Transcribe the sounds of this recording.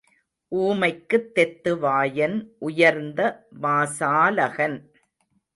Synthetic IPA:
ʔuːmɐɪkːɯt̪ːɛt̪ːɯʋaːjɐnʔʊjɐɾnd̪ɐʋaːsaːlɐɣɐn

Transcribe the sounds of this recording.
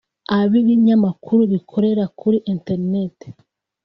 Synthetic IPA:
aβiβiɲamakʰuɾuβikʰo̞ɾe̞ɾakʰuɾiʔinteɾine̞te̥

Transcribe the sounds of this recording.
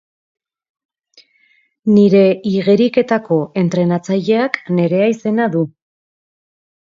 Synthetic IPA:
niɾe̞iɣe̞ɾike̞t̪ako̞e̞nt̪ɾe̞nat͡saʎe̞akne̞ɾe̞aise̞naðu

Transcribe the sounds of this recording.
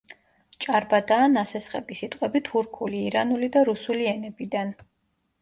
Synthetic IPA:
t͡ʃʼaɾbad̪aːnasɛsχɛ̰bisit̪ʼqʼɛbit̪ʰuɾkʰuliːɾanulid̪aɾusuliɛnɛbid̪an

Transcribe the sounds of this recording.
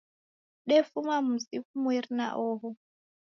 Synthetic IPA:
ɗɛfumam̩sifumwirna̰ʔɔɦɔ

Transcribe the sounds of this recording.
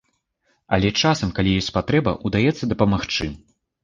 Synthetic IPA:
ɐ̰lʲɛt͡ʂasɐmkalʲijɔsʲpat̪ɾɛbɐ̰ʔud̪ajɛt̪sːɐd̪ɐpɐmaxt͡ʂɨ

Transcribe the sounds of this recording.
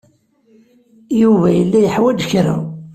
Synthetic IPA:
juvæjəlːæjəħwæd͡ʒçɾa̰

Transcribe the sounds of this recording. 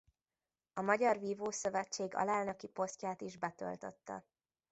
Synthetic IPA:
ɒmɒɟɒrviːvoːsø̞vɛt͡ʃːeːɡɒ̰laːlnɒkipo̞scaːt̪iʒbɛt̪ø̰lt̪øt̪ːɛ̰

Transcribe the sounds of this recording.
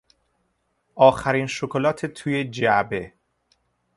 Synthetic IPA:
ʔɒːxæɾiːnʃokʰolɒːt̪ʰet̪ʰuːje̞d͡ʒæbe̞

